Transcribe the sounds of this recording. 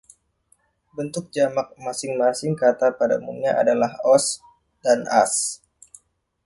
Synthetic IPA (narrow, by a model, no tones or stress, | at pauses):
bənt̪ʊk̚d͡ʒamak̚masɪŋmasɪŋkat̪apada̰mṵŋɲaʔa̰dalahɔs | dana̰s